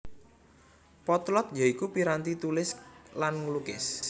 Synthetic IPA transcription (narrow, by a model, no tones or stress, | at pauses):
pɔt̪lɔt̪̚jaikupiɾant̪it̪ulɪslanŋəlukɪ̰s